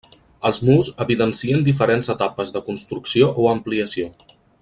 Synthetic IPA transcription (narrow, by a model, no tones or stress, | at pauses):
əlˠzmuzəβiðənsiənd̪if̬əɾenzət̪apəzðəkunst̪ɾuksioʔoəmpliəsio